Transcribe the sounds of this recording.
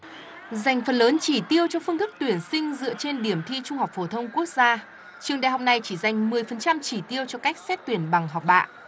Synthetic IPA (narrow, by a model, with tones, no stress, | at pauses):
za˨˩jŋ̟fə˨˩nləː˨˦nt͡ɕi˧˩t̪i˧əwt͡ɕɔ˧fɨ˧əŋt̪ɨ˦˥k̚t̪wi˧˩ənsï˧ŋ̟zɨ̰˧˨ət͡ɕe˧nɗi˧˩əmt̪ʰi˧t͡ɕʊ˧ŋ͡mha˨˩wk͡p̚fo˧˩t̪ʰə˧wŋ͡mku˦˥ək̚zaː˧ | t͡ɕɨ˨˩əŋɗa̰˧˨jɦɔ˨˩k͡p̚na˨˩jt͡ɕi˧˩za˨˩jŋ̟mɨ˨˩əjfə˨˩nt͡ɕa˧mt͡ɕi˧˩t̪i˧əwt͡ɕɔ˧ka˦˥jk̟̚sɛ˦˥t̚t̪wi˧˩ənɓa˨˩ŋɦɔ˨˩wk͡p̚ɓa̰ː˧˨ʔ